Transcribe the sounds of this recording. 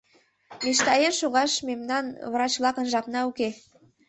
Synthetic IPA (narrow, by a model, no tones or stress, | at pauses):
miʃt̪ɑjenʃuɣɑʃmemnɑnβrɑt͡ɕβlˠɑkə̆nʒɑpnɑuke